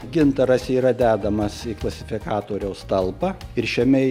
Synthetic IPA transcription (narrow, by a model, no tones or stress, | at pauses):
ɡʲɪnt̪ɐɾɐsiːɾɐd̪ʲæːd̪ɐmɐsiklˠɐsʲɪfʲɪkɑːt̪oːɾʲɛʊst̪ɐlˠpɐɪɾʃʲɛmʲɛ